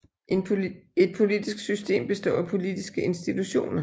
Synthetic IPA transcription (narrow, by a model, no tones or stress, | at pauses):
e̝d̥̚pʰo̝lid̥isɡ̥sysd̥e̝̰ːmb̥e̝sd̥ɒ̰ːæpʰo̝lid̥isɡ̥əe̝nsd̥it͡sʰuɕo̝̰ːnɐ